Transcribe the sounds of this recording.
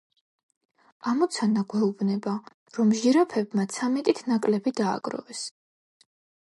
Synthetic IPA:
amɔt̪sʰanaɡwɛubnɛba | ɾɔmʒiɾapʰɛbmat̪sʰamɛt̪ʼit̪ʰnakʼlɛbid̪a̰ːɡʼɾɔ̰vɛs

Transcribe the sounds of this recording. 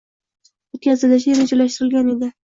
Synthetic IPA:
ʊkʲʰasɪd̪aʃ̬eɾɪd͡ʒolaʃt̪ɪɾɪlɡʲane̞d̪ɪ

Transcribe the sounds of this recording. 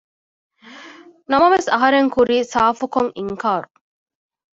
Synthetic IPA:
nɐmɐʋesɐɦɐɾeŋkuɾiːsaːfukoŋiŋkaːɾu

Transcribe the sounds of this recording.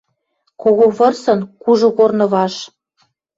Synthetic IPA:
koɣoβɤ̆rsɤ̆nkuʒŏɣornɤ̆βɑʃ

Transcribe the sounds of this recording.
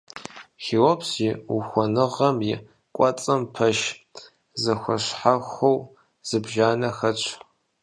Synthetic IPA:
xiːwɔpsixʷɔnɨʁɐmjɪ | kʷʼɔt͡sʼɐmpʰɐʃ | zɐxʷɐɕħaxʷow | z̥ɨbʒaːnɐxɐt͡ʃʷʰ

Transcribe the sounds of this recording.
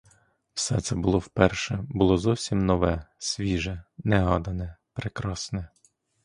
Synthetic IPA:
wsɛt̪sɛbʊlˠɔwpɛrʃɛbʊlˠɔzɔwsʲimnɔʋɛsʲʋʲiʒɛnɛɦɑd̪ɐnɛpɾekɾɑsnɛ

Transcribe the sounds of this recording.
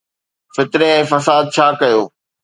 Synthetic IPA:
fɪt̪ɾeɛ̃ːfɐsaːd̪̚t͡ɕʰaːkɐjoː

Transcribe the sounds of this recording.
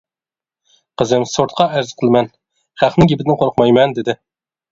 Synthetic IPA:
qəzɪmsoɾt̪̚qʰɑʔæɾz̥qʰəlˠɨmɛn | χæχnɪŋɡʲibɪd̪ɪnqʰoɾqmɑjmɛnd̪ɪd̪ɪ

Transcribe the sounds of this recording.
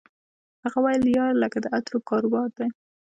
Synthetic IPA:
haɣawajljɑɾləkad̪əat̪ɾokɑɾowɑɾd̪aj

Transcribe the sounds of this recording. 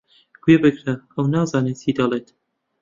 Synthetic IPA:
ɡ̥webɨɡɾɐəwnɑːzɑːnet͡ʃiːd̪ɐlˠeːt̪

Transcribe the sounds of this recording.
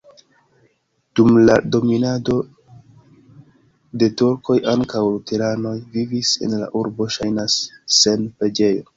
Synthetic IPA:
d̥umlado̞minado̞ | de̞tuɾko̞jʔaŋkawlute̞ɾano̞jvivise̞̰nla̰ʔuɾbo̞ʃajnasːe̞npɾe̞d͡ʒe̞jo̞

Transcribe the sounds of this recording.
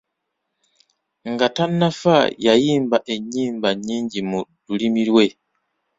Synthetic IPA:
ŋɡatanːafajajiːmbaʔe̞ɲːiːmbaɲːiːɲɟimudulimilwe̞

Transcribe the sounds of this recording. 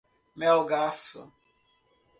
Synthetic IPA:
mɛlɡasʊ̰

